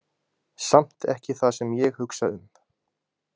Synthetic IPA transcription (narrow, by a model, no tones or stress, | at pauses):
sam̥t̪ɛ̰hcɪθasɛmjɛɣhʏksaʏm